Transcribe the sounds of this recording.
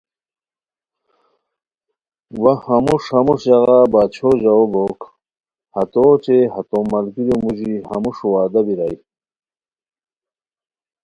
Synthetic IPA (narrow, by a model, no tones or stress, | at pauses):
wɐhɐmuʂhɐmuʂjɐɣabaːt͡ɕʰoʑɐoboːk | hɐt̪ot͡ɕeɦɐt̪omɐlkiɾomuʑihɐmuʂuwaːd̪ɐbiɾaj